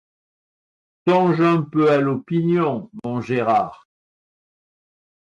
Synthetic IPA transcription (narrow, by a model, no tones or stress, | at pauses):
sɔ̃ʒɛ̃pøalopinjɔ̃mɔ̃ʒeʁaːʁ